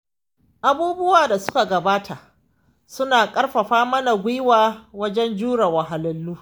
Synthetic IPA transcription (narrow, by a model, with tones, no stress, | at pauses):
ʔa˦buː˦bʊ˦waː˨da˨sʊ̥˦ka˨ɡɐ˨baː˦tʰa˨ʔ | sʊ˦naː˨kʼɐ˦rɸɐ˨ɸaː˦mɐ˦na˨ɡʷɪ˦waː˨wɐ˦d͡ʒɛ˦nd͡ʒuː˦ɽa˨wɐ˨ɦa˨lɪ˦lːuː˦